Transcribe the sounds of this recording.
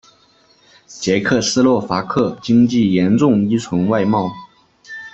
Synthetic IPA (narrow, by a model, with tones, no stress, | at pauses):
t͡ɕjɛ˧˥kʰɤ˥˩sɹ̩˥lwɔ˥˩fa˧˥kʰɤ˥˩t͡ɕi˥ŋt͡ɕi˥˩jɛ˧˥nʈ͡ʂʊ˥˩ŋi˥t͡sʰʊ˧˥ŋwa˥˧ɪmɑ˥˩ʊ